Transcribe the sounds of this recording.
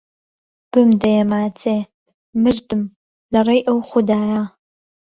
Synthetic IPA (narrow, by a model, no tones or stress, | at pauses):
b̥ɨmdɐjɛmaːt͡sʰeː | mɨrtʰɨm | lɐrɐjʔɐwχʷʊdaːjaː